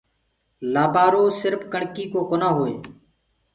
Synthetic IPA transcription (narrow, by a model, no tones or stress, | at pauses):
laːbaːɾoːsɪɾfkəɳkiːkoːkoːnaːɦoːḛː